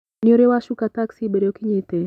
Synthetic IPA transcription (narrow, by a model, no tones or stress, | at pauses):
nioɾewaʃukat̪aksibeɾokɪɲɪt̪e